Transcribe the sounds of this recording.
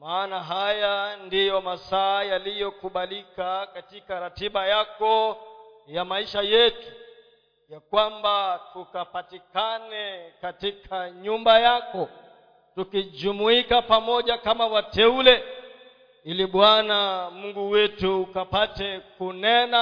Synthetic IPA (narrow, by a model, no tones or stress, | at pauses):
maaːnaɦajandijɔmasaːjalijɔkuɓalikakatikaɾatiɓajakɔ | jamaiʃajɛtu | jakwambatukapatikanɛkatikʰaɲumbajakɔ | tukid͡ʒumuikapamɔʄakamawatɛulɛ | iliɓwanamuŋɡuwɛtuːkapatɛkunɛna